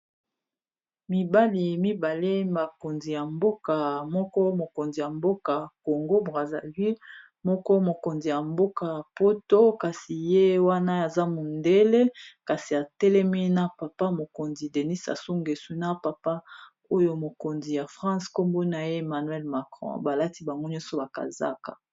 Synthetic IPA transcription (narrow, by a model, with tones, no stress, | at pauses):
mi˨ba˦li˨mi˦ba˨le˦ma˨ko˨nzi˨ja˨mbo˦ka˨mɔ˦kɔ˦mo˨ko˨nzi˨ja˨mbo˦ka˨ko˨ŋɡo˦bʁa˨za̰˨vi˦l | mɔ˦kɔ˦mo˨ko˨nzi˨ja˨mbo˦ka˨po˦to˦ka˨si˨je˦wa˦na˦a˨za˦mo˨nde˦le˦ka˨si˨a˨tɛ˦lɛ˦mi˦na˦pa˨pa˦mo˨ko˨nzi˨de˨ni˦sa̰˨su˦ŋɡe˨su˦na˦pa˨pa˦ | o˦jo˦mo˨ko˨nzi˨ja˨fʁɑ̃˦sko˦mbo˦na˨je˦e˨ma˨nwɛ˦lma˨kʁɔ̰̃˦˨ba˨la˦ti˦ba˨ŋɡo˦ɲɔ̃˦sɔ˨ba˨ka̰˨za̰˦ka̰˨